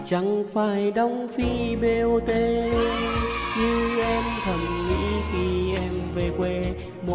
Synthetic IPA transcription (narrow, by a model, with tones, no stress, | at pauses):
t͡ɕa˧˦ŋfaː˧˩jɗɔ˧˩wŋ͡mfi˧be˧ʔo˧t̪e˧ | zɨː˧ʔɛ˧mt̪ʰə˨˩mŋḭ˧˥xi˧ʔɛ˧mve˧˩kwe˧ | mo˨